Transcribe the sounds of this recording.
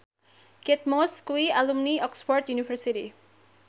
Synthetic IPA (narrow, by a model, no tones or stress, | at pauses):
ket̪̚moskuialumniɔkspɔrt̪junifʰərsiʈḭ